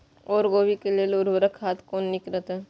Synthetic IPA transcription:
ɔːɾɡoːʋikelelʊɾʋəɾəkʰːaːt̪koːnːɪkɾət̪e

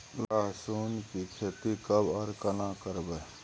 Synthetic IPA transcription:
laːɦsuːnkikʰet̪ikəbəɾkənãːkəɾbe

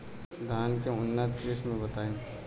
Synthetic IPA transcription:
d̪ʱaːnkeʊnːət̪keːsmẽbət̪aːjẽ

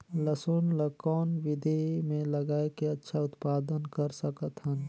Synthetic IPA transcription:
ləsoːnləkɔːnʋɪd̪ʱemẽləɡaːekeətːʃʰaʊt̪paːd̪ənkəɾsəkət̪ɦən

